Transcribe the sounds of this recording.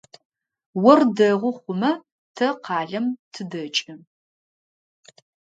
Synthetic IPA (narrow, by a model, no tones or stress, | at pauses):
wɔrdɐʁʷʊχʷʊmɐ | tʰɐqɑːɮɐmtʰɨdɐt͡ʃʼɪ